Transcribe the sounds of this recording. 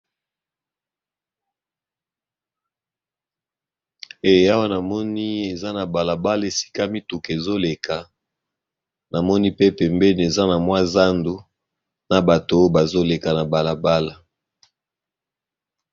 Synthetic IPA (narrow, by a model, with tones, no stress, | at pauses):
e˨˦a˦wa˦na˨mɔ˦ni˦e˨za˦na˨ba˨la˨ba˦le˨si̥˦ka˦mi˦tu˨ke˨zo˦le˨kʰa˨ | na˨mɔ˦ni˦pe˦pɛ˨mbɛ˦n˨e˨za˦na˨mwa˦za˦ndu˨ | na˨ba˨to˨˦ba˨zo˦le˨ka˨na˨ba˨la˨ba˦la˨